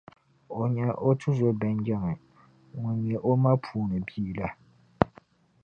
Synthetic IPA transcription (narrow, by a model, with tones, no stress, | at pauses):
o˨ɲɛ˨ʔo˦tʰʊ˦zo˦bɛ˦n˦d͡ʒɛ˦mɛ˨ | ŋʊ˨ɲ˨ɛ˨ʔo˦ma˦pʰuː˨nɨ˨biː˦la˦